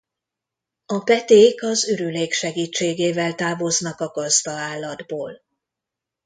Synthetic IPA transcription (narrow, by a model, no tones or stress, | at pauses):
ɒpɛt̪eːkɒzøɾyleːkʃɛɡiːt͡ʃːeːɡeːvɛlt̪aːvo̞znɒkɒɡɒzd̪ɒaːlːɒd̪boːl